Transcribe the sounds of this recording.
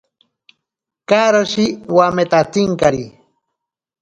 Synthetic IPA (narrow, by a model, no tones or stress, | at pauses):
kaɾoʃiwamet̪at̪iŋkaɾi